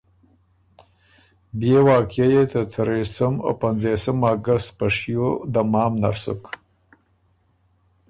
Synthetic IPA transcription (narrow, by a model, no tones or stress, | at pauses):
bjewɑːkjajet̪ət͡saɾesəma̰panzesəmaɡast̪paʂjod̪amɑːmna̰ɾsṵk